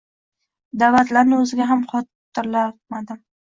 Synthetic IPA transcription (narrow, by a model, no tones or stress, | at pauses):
d̪avat̪laɾnɪɵzɪɡʲaɦamqɒt̪ː | ɪɾlamad̪ɪm